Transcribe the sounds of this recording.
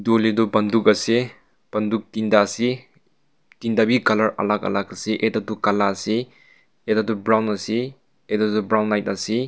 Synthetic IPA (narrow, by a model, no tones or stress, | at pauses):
dolidɔbɐndukɐse | b̥ɐnduk̚tindasi | tindabikɐlɐɾɐ̰lakɐ̰lakɐseʔedadukalasi | edadubɾawnɐsi | edadubɾawnːajt̚asi